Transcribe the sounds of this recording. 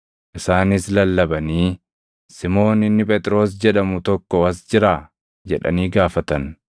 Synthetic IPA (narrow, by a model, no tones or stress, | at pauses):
ʔɪsaːnɪslɐlːɐbɐniː | sɪmo̞ːnɪnːɪpʼɛt̪ʼɪɾo̞ːs̬d͡ʒɛᶑɐmʊt̪ɔkːɔɐs̬d͡ʒɪɾaː | d͡ʒɛᶑɐ̰niːɡaːfɐt̪ɐn